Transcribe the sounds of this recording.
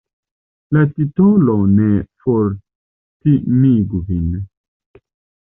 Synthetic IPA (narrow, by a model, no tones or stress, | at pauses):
latitolonefoɾ | timiɡuvin